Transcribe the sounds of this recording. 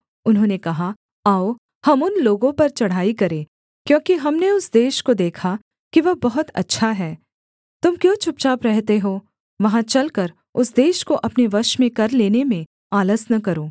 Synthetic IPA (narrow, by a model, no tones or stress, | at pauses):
ʊnɦõnekɐɦa | aːo | hɐmʊnloːɡõpɐɾt͡ʃɐɽ̤aːikɐɾẽː | kjõːkiɦɐmneʊsd̪eːʃkod̪eːkʰa | kiʋɐɦbɐɦʊt̪ɐ̰tːʃʰaɦɛː | t̪ʊmkjõːt͡ʃʰʊp̚t͡ʃaːpɾɛɦt̪eɦoː | ʋɐɦãt͡ʃɐlkɐɾ | ʊsd̪eːʃkoʔɐpneʋɐʃmẽkɐɾleːnemẽ | aːləsnɐk̬ɐɾoː